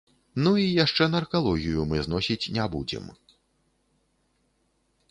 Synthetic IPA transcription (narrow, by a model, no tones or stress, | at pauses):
nuijaʂt͡ʂɛnɐrkalˠɔɣʲijumɨznɔsʲit͡sʲnʲabṵd͡zʲɛ̰m